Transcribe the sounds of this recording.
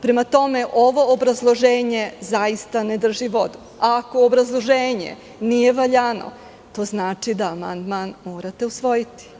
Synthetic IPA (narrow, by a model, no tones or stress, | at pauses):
pɾe̞mat̪o̞me̞ʔo̞ʋo̞ːbɾazlˠo̞ʒe̞ːɲe̞zajist̪aned̪r̩ʒiʋo̞d̪u | ako̞ːbɾazlˠo̞ʒeːɲe̞̰ | nije̞ʋaʎano̞̰ | t̪o̞ːznaːt͡ʃid̪aːma̰nd̪manmo̞ːɾat̪e̞usʋo̞jit̪i̥